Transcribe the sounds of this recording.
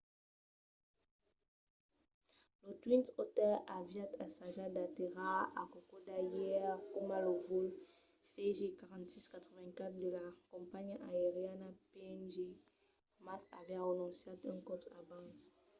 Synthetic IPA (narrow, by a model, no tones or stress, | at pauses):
lot̪wĩntot̪ɛlavjat̪asaʒad̪at̪eʁaakokod̪ajɛʁkomalovul | seʒekaʁɑ̃nt̪siskat̪χəvɛ̃nkat̪χd̪əlakɔ̃mpaɲaeʁjanapeɛmʒe | masa̰vɛʁənɔ̃sjat̪ɛ̃nkɔtabãs